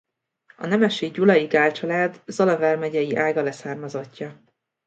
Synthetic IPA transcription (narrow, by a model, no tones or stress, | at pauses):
ɒ̰nɛmɛʃeːɟulɒjiɡaːlt͡ʃɒlaːd̪zɒlɒvɛrmɛɟɛjiʔaːɡɒlɛsaːrmɒzocːɒ